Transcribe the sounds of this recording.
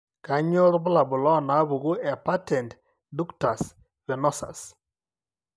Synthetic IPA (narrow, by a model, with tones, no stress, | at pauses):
ka˨ɲo˦ɾbʊ˦la˨bʊ˨lɔ˦na˨˦bu˨ɣu˦ɛ˨pa˦tɛ˨nt | du˦kta˨s | vɛ˨nɔ˦sa̰˨s